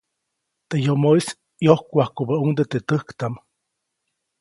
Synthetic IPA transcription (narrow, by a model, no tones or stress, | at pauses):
t̪ejomois | johkʷahkubəuŋd̪ət̪et̪əhkt̪am